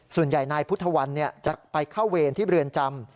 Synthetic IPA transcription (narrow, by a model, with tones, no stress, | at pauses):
su˨˩ənja˨˩jnaː˧jpʰu˦˥t̪ʰːa˧wa˧nːi˥˩ɐt͡ɕa˨˩k̚pa˧jkʰa˥˩wweː˧nt̪ʰiː˥˩ɾɯ˧ənt͡ɕa˧m